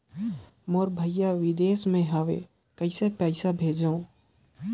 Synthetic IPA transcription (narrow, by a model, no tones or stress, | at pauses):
moɾbʱɐjaʋɪd̪eːsmẽɦaːʋḛ | kɐɪsepɛːɪsabʱeːd͡ʒaõ